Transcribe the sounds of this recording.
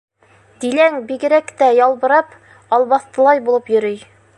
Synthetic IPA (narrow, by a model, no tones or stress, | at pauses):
d̪ilæŋbiɡɘ̆ɾækt̪æjɑlˠbɤ̆ɾɑp | ɑlˠβɑθt̪ɤ̆lˠɑjbulˠɤpjɵ̆ɾɘj